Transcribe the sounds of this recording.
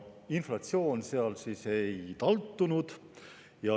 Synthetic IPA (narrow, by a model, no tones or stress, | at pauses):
inflɑt̪sio̞ːnseɑlsiːse̞jt̪ɑlt̪ːunud̪̥ | jɑ